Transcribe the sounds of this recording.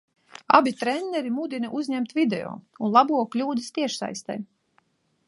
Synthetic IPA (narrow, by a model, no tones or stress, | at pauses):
a̰bit̪ɾɛnʲːɛɾimud̪inɛʔuzʲɲɛmt̪vʲid̪ɛ̰o̰ːunlˠabuɔklʲuːd̪ɨst̪iɛʃsa̰jst̪ɛ̰j